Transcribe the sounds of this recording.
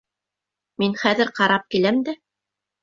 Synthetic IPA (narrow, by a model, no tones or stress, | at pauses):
minχæðɘɾqɑɾɑp̚kilæmd̪æ